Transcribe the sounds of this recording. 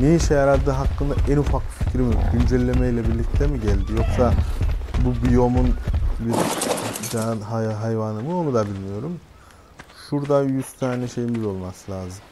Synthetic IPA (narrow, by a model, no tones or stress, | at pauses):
nejiʃɛjaɾad̪ɯːɦakːɯnd̪aʔɛnufak̚bifi̥cɾimiɟynd͡ʒɛlʲːe̞mɛjlʲɛbiɾlʲic̚t̪ʰɛmiɟælʲd̪ijo̞ksa | bubijo̞munbiɾd͡ʒanɦaɦajvanɯmɯo̞nud̪abilʲmijo̞ɾum | ʃuɾd̪ajyst̪ʰaːnɛʃe̞jimbiɾo̞lˠmaslʲˠaːzɯm